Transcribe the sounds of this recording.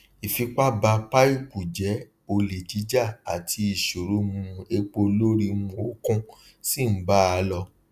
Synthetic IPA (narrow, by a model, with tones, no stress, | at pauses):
i˨fi˨˧k͡pa˦ba˧k͡pa˦i˦˨k͡pu˨d͡ʒɛ˨˦ | o˧le˨d͡ʒi˨˦d͡ʒa˦˨a˨tʰi˧˦i˨ʃo˨ɾu˨˦mũ˧e˧k͡po˧lo˦ɾi˦˧mũ˨o˦kũ˦ | si˦˨m̩˨˦ba˦a˨˧˦lɔ˧˨